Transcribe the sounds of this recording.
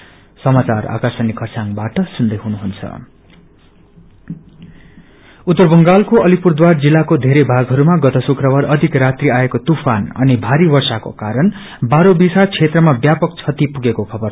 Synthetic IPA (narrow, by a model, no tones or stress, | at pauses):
sʌmat͡sara̰kasʌnikʰʌrsaŋbaʈʌsund̪ʌjɦunuɦunt͡sʰʌ̰ | ut̪ːʌrbʌŋɡalkoʌlipurd̪ward͡zilːakod̪ʱeɾejbʱaɡɦʌɾumaɡʌt̪ʌsukrʌwaɾʌd̪ʱikrat̪riaekot̪upʰanʌ̰nibʱaɾibʌrsako̰kaɾʌn | baɾobisat͡sʰet̪rʌmabjapʌk̚t͡sʰʌt̪ipuɡekokʰʌbʌr